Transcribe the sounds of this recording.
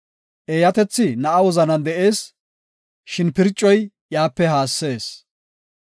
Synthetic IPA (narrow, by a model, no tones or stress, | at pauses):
ʔeːjɐt̪ɛt͡sːɪnɐʔɐwɔzɐnɐnd̪ɛʔe̞ːs | ʃɪnpɪɾt͡ʃʼːɔj | jaːpːɛhaːsːe̞ːs